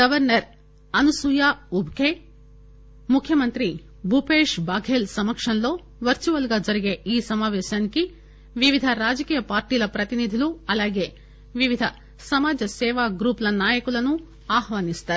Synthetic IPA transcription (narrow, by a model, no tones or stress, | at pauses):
ɡɐʋɐɾnɐɾ | ɐnusujaːubʱke | mukʰjɐmɐnt̪ɾi | bʱupeːʂbaːɡʱeːlsɐmɐkʂɐnloː | ʋɐɾt͡ʃuʋɐlɡɐd͡ʒɐɾiɡe̞ʔiːsɐmaːʋeːʃɐnki | ʋiʋid̪ʱɐɾaːd͡ʒɐkiːjɐpaːɾʈiːlɐpɾɐt̪inid̪ʱiluɐlaːɡe | ʋiʋid̪ʱɐ | sɐmaːd͡ʒɐsɛːʋaːɡɾuːpɐlɐnaːjɐkulɐnːu | aːɦʋaːnist̪ɐɾ